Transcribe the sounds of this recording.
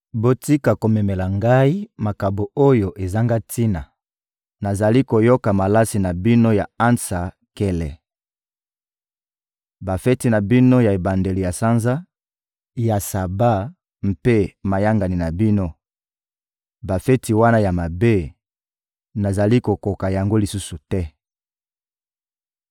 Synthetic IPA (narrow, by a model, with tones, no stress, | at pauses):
bo˦ti˦ka˨ko˨mɛ˨mɛ˨la˨ŋɡa˦i˦ma˨ka˨bo˨o˦jo˨ʔe˨za˦ŋɡa˦ti˦na˨ | na˨za˨li˦ko˨jo˦ka˨ma˨la˦si˨na˨bi˦no˦ja˨a˦nsa˨ | kɛ˦lɛ˨ | ba˨fɛ˦ti˨na˨bi˦no˦ja˨e˨ba˨nde˨li˨ja˨sa˦nza˦ | ja˨sa˨ba˦ | m̩˨pe˦ma˨ja˦ŋɡa˨ni˨na˨bi˦no˦ | ba˨fɛ˦ti˨wa˦na˦ja˨ma˨be˦ | na˨za˨li˦ko˨ko˨ka˨ja˨ŋɡo˦li˨su˦su˨tɛ˦